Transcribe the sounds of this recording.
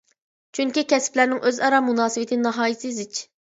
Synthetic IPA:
t͡ʃʰyŋkʲikʲɛsplæɾnɪŋʔøzɑɾɑmunɑːsɨwɪt̪ʰɪnɨɦɑːjisɨzɪt͡ʃ

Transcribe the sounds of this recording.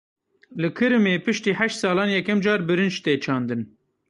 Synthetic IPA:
lɨkʰɨɾɨmeːpɨʃt̪iːħɛʃt̪sɑːlɑːnjɛkɛmd͡ʒɑːɾbɨɾɨnd͡ʒt̪eːt͡ʃʰɑːnd̪ɨn

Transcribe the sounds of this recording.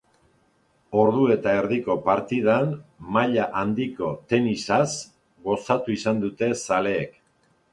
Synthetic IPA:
o̞ɾðue̞t̪ae̞ɾðiko̞paɾt̪ið̞anmaʎaʔand̪iko̞t̪e̞nisas | ɣo̞sat̪uisand̪ut̪e̞sale̞ːk

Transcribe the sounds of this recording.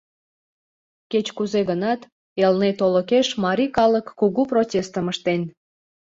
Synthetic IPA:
ket͡ɕkuzeɣənɑt̪ | elnet̪oləkeʃmɑɾʲikɑləkːuɣuprotʲest̪əməʃt̪en

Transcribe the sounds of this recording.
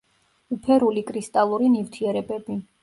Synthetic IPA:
upʰɛɾulikʼɾist̪ʼalˠuɾinivt̪ʰiɛɾɛbɛbi

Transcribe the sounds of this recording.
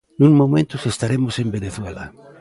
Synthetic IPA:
nũŋmomẽnt̪ʊsest̪aɾemʊsembeneθwela

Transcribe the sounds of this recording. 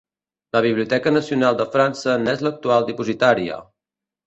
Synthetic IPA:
ləβ̞iβliut̪ɛkənəsiunalˠd̪əfɾansənɛzlək̚t̪ualˠd̪ipuzit̪aɾiə̰

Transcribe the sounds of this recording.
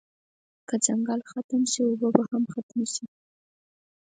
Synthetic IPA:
kəd͡zaŋɡɑlxat̪əmʃiobəbahamxat̪maʃi

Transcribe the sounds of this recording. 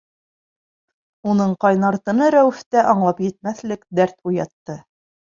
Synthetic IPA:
unɤɴqɑjnɑɾt̪ɤ̆nɤɾæwɘ̆ft̪æʔɑɴlˠɑpjɘ̆t̪̚mæθlɘkd̪æɾt̪ujɑt̪ːɤ

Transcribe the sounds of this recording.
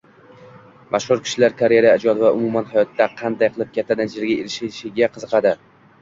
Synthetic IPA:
mʔaʃhʊɾkʲʰɪ̥ʃlaɾkʰaɾeɾaad͡ʒɒd̪vaʔʊmumanhajɒt̪ʰːaqʰɑnd̪ajqʰɨlˠɪp̚kʲʰat̪ʰːad̪ad͡ʒɪɾɡʲaelɪʃʃɪɡʲaqʰɨzɨqʰɑd̪ɪ

